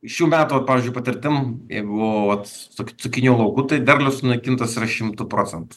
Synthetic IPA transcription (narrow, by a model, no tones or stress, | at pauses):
ʃʲuːmʲæːt̪uːʋɐt̪̚pɑːʋʲɪzʲd͡ʒʊɪpɐt̪ʲɪɾʲt̪ʲɪmjɛ̰ɪboʋɐt̪ | sokʲsʊkʲɪnʲuːlˠɐʊkut̪ɐɪd̪ʲɛrʲlʲʊsʊnɐɪkʲɪnt̪ɐsɪɾɐʃʲɪmt̪ʊpɾoːt͡sʲɛnt̪ʊ̥